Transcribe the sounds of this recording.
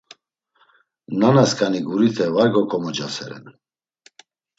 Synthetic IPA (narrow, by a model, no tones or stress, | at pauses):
nanaskʼaniɡuɾit̪ʰɛvaɾɡɔkʰɔmɔd͡ʒasɛɾɛ̰n